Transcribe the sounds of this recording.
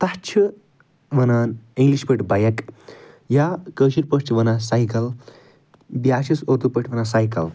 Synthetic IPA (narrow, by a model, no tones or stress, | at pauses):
t̪ɐt͡ʃʰi | ʋɐnaːniŋɡliʃpəʈʰʲbɐjɐk | jaːkəːʃiɾpɐʂʈʰiʋɐnasajkɐl | bjaːʃisoːt̪upɐʈʰʋɐnasajkɐ̰l